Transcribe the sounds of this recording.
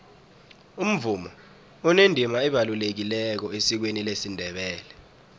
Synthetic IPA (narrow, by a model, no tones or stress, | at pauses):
um̩vumɔ | unendʱimaɛɓalulek̬ilɛk̬ɔesik̬wenilesindʱɛɓɛːlɛ